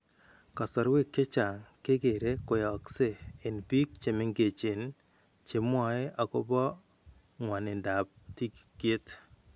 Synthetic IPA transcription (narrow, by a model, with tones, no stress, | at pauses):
ka˨sɔ˨ɾwe˦kːe˦t͡ʃa˨ŋke˦ɡe˨ɾe˦kʊ˨jɔ˨kseː˦˨nbi˦k̚t͡ʃe˨me˦ŋɡe˨t͡ʃe˨n | t͡ʃe˨mwɔ˨e˦ʔa˨kʊ˦bɔ˦ | ŋwa˨nɪ˨nda˨p̚ti˦kɡ̥e˦t